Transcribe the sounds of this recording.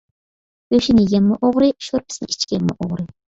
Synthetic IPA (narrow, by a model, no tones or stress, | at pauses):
øʃinɪjɛmːʊʔoʁɾɨʃoɾpʰɪ̥snɪ̰it͡ʃkʲɛmːʊʔoʁɾɨ